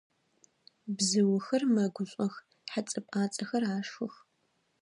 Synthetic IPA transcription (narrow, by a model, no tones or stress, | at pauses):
bzɨwʊxɐrmɐɡʷʊɕʷʼɐx | ħat͡sʼɨpʼaːt͡sʼɐxɐraːʂxʊx